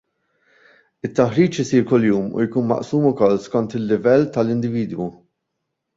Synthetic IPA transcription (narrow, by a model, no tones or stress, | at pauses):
ɪt̪ːɐħɾiːt͡ʃɪsiːɾkʊlːjuːmṵjkuːnmɐ̰ʔsuːmʊkɔlːskɔnt̪ɪlːɪvɛlːt̪ɐlɪnd̪ɪviːd̪wu